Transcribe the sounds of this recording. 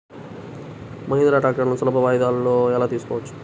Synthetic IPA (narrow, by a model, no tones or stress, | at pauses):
mɐɦinɐɾaːʈaːk̚ʈɐɾnusulɐpɐʋaːjd̪aːlːoːɛlaːt̪iːsu̥kɔːʋɐt͡ʃːu̥